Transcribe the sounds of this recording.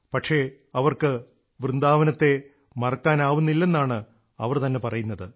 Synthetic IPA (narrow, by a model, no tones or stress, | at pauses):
pɐʈʂe̞ | ɐʋɐrkɨ | ʋrɨnd̪aːʋɐnɐt̪ːe̞ | mɐrɐkːaːnaːʋunːilːe̞nːaːɳɨ | ɐ̰ʋɐrt̪ɐnːe̞pɐrɐjunːɐðɨ